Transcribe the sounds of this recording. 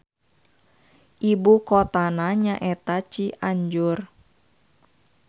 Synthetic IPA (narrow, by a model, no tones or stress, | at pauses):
ʔibukɔt̪anaɲaʔɛt̪at͡ʃiʔaɲd͡ʒʊr